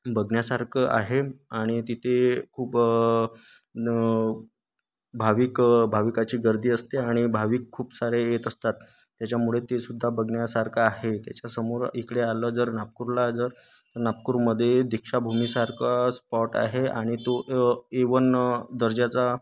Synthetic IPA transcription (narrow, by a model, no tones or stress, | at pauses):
bʱəɡnjasaɾkʰəʔa̰ɦeaɽ̃it̪it̪ʰekʰuːp | bʱaʋikbʱaʋikat͡ɕiːɡəɾd̪ʱiːəst̪eaɽ̃ibʱaʋiːkʰːuːpsaɾejet̪əst̪at̪ː | jat͡ɕjamuɭet̪esud̪ʱːabəɡɳjasaɾkʰaːɦet̪jat͡ɕasəmuɾikɽealəd͡zəɾnap̚kuɾlad͡zəɾ | t̪əɾnap̚kuɾməd̪ʱːjed̪ʱikʂabʱumisaɾkʰaspɔʈa̰ɦeaɽ̃it̪oʔeʋənd̪əɾd͡ʑat͡sa